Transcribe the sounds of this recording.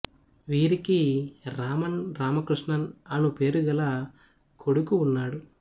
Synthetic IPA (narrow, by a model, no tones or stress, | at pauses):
ʋiːɾikiɾaːmɐnɾaːmɐkɾiʂɳɐnɐnupe̞ːɾuɡɐlɐ | kʰo̞ɽukuːnːaːɽu